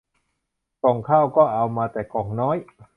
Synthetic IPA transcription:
kɔː˨˩ŋkʰaː˥˩wkɔː˥˩ʔa˧wmaː˧t̪ɛː˨˩kɔː˨˩ŋnɔː˦˥j

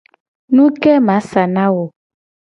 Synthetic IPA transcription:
nũ˦kɛ˦mã˨˦sa˨nã˦wo˨

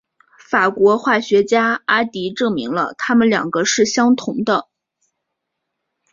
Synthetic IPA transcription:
fa˨˩kwɔ˧˥xwa˥˩ɕɥɛ˧˥t͡ɕja˥a˥t̪i˧˥ʈ͡ʂɤ˥˩ŋmḭ˧˥ŋlə˧t̪ʰa˥mə˨nljɑ̰˨˩ŋɡə˦ʂɻ̩˥˩ɕjɑ˥ŋt̪ʰʊ˧˥ŋd̪ə˧

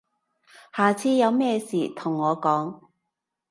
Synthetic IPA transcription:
haː˨˩t͡sʰiː˧˥jɐ˨˧wmɛː˥siː˨˩t̪ʰʊ˨˩ŋːɔː˨˧kɔː˨˥ŋ

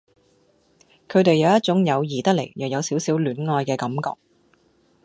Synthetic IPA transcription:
kʰɵ˨˧ɥt̪e˨jːɐ˨˧wjɐ˥t̚t͡sʊ˨˥ŋjɐ˨˧wjiː˨˩t̪ɐ˥k̚lḛ˨˩jjɐː˨kjɐ˨˧wsiː˨˥wsiː˨˥wlyː˨˥nŋɔː˧jkɛː˧kɐ˨˦mkɔ̰ː˧k̚

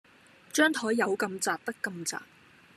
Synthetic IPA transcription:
t͡ʃœː˥ŋt̪ʰɔː˨˥jːɐ˨˧wkɐ˧mt͡saː˨p̚t̪ɐ˥kːɐ˧mt͡sa̰ː˨p̚

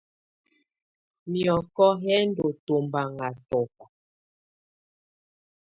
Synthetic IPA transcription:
mjɔ˨kɔ˦ɦɛ˦ndo˨to˨mba˨ŋa˨tɔ˨k

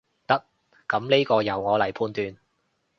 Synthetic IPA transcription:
t̪ɐ˥k̚ː | ɐ˨˥mle˥jkɔː˧jɐ˨˩wŋɔː˨˧lɐ˨˩jpʰuː˧nt̪yː˧n

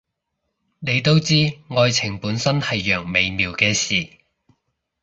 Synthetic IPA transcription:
ne˨˧jt̪o˥wt͡siː˥ŋɔː˧jt͡sʰɪ˨˩ŋpuː˨˥nsɐ˥nhɐ˨jːœː˨˩ŋme˨˧jmiː˨wkɛː˧siː˨

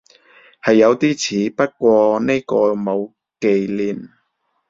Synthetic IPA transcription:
hɐ˨jːɐ˨˧wt̪iː˥t͡sʰiː˨˧˥pɐ˥t̚kʷɔː˧ne˥kɔː˧mo˨˧w | ke˨jliː˨˩n

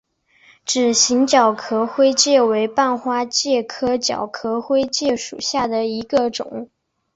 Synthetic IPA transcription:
ʈ͡ʂɻ̩˨˩ɕi˧˥ŋt͡ɕjɑ˨˩ʊkʰɤ˧˥xwe˥ɪt͡ɕjɛ˥˩we˧˥ɪpa˥˩nxwa˥t͡ɕjɛ˥˩kʰɤ˥t͡ɕjɑ̰˨˩ʊkʰɤ˧˥xwe˥ɪt͡ɕjɛ˥˩ʂṵ˨˩ɕja˥˩d̪ə˩i˧˥ɡə˧ʈ͡ʂʊ̰˨˩˦ŋ

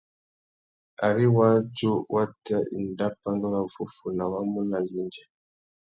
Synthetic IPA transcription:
a̰˨ɾi˦wa˦d͡ʒu˦wʔa˦ta˦ʔḭ˨nda˦pa˦ndɔ˦la˨vu˨fu˨na˨wa˦mu˦na˨li˦nd͡ʒɛ˨

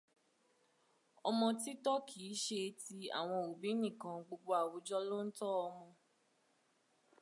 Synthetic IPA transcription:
ɔ˧mɔ̃˧ti˦tɔ˦kʰi˨˦ʃe˧ti˧˦a̰˨w̃ɔ̃˧o˨bi˨˦nĩ˦˨kã˧ɡ͡bo˧ɡ͡bo˧a˨wu˨˦d͡ʒɔ˦lo˦n̩˦tɔ˦ɔ˧mɔ̃˧

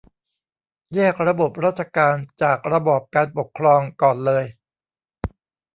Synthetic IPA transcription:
jɛː˥˩k̚ɾa˧bo˨˩p̚ɾaː˥˩t̪̚t͡ɕʰa˧kaː˧nt͡ɕaː˨˩k̚ɾa˧bɔː˨˩p̚kaː˧npo˨˩kʰːɾɔː˧ŋkɔː˨˩nlɤː˧j

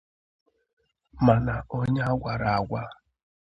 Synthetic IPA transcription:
ma˨na˨ɔ˦ɲa˦a˦ɡʷa˨ɾa˨a˨ɡʷa˦

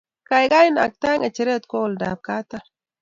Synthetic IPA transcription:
ka˨jɡa˦ji˦na̰˨k̚t̪a˦ŋa˨t͡ʃi˨ɾe˦t̪ko˦˨lda̰˨b̚ka˦t̪a˦

